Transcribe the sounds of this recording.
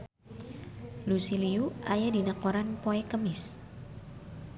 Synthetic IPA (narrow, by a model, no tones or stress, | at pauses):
lusiliuajadinakoɾanpoɛkəmɪs